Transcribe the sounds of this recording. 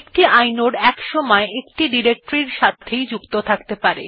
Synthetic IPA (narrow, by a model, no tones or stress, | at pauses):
k̚ʈiajnoɾɛkʃɔmɔeekʈiɖiɾek̚ʈɾiɾʃat̪ʰːejd͡ʑukt̪ot̪ʰakt̪epaɾe